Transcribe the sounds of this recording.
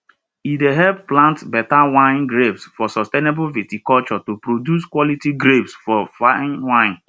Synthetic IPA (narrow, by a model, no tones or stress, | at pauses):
ideɦɛlpːlãntbɛtawãɪ̃nɡɾevsfɔsɔstenebʊvitikɔlt͡ʃɔtupɾodjuskwɔlitiɡɾebsfɔfanwãɪ̃n